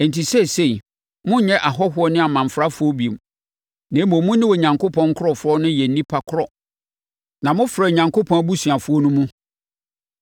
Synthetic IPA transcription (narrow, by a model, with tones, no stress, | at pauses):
ɛ˨n̩˨tʰi˨se˦˨se˦˨i˨ | mʊ̃˦ɲɛ̃˦ʔa˨ɦɔ˦ɦʊ˦ɔ˦nɪ̃˦a˨mã˨m̩˨fɾa˦fʊ˨˦ɔ˦bi˨m | nɛ̃˨˦mɔ̃˨mũ˦nɪ̃˦wɔ˨ɲã˨ŋkʰo˦pʰɔ̃˦ŋ˦kʰʊ˦ɾɔ˨fʊ˦ɾɔ˦nʊ̃˦jɛ˨n̩˨˦nĩ˦pʰa˨kʰʊ˦ɾɔ˨ | nã˨mʊ̃˦fɾɛ˨ɲã˨ŋkʰo˦pʰɔ̃˦n˦bu˦su˨a˨fʊ˦ɔ˦nũ˦mũ˦